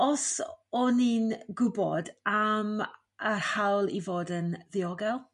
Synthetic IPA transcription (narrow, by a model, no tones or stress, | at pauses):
ɔsɔninɡʊbɔ̰dam | əhawlˠivoːdənðɪɔɡɛlˠ